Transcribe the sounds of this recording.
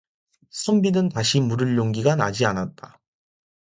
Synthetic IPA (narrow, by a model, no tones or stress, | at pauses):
sʰɯmbinɯntaɕʰimuɾɯɭːoŋɡiɡana̰d͡ʑianat̚t͈a